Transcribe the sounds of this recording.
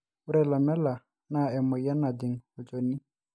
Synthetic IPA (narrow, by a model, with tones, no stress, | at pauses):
u˦ɾɛ˨la˨mɛ˦la˨ | na˨ɛ˨mɔ˨ja˦na˨d̪ɪ˨ŋɔ˨d͡ʒo˨ni˦